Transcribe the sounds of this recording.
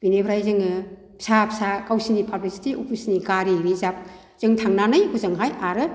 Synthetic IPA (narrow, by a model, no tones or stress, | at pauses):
b̥inebʰʱɾajzɯŋɯ | pʰsapʰsakawsinipʰablisi̥tiopʰusiniɡaɾiɾizap̚ | z̥ɯŋtʰaŋnanɯjkʰuzɯŋɦajʔaɾɯ